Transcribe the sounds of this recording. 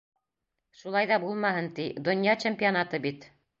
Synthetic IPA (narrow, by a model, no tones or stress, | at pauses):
ʃulˠɑjðɑbulˠmɑɦɤnt̪id̪ŏnʲjɑt͡ɕempʲionat̪ɤbit̪